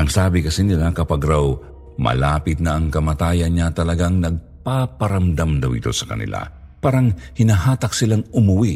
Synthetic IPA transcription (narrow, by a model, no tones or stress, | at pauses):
ʔɐŋsaːbɪkɐsinɪlakɐpaɡɾaw | mɐ̰laːpɪt̪̚nɐʔːŋkɐmɐt̪aːjɐnɲat̪ɐlɐɡaŋnɐɡ̚ | papɐɾɐmd̪amd̪ɐwʔɪ̰t̪o̞̰sɐ̥kɐ̰nɪ̰la̰ | paːɾɐŋhɪnaɦaːt̪ɐk̚sɪlaŋʔʊmʊwi